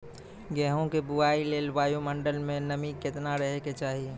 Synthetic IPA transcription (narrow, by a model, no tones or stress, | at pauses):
ɡɛːɦõkebuaːileːlbaːjoməɳɖəlmẽnəmikɪt̪naɾəɦeket͡ʃaːɦie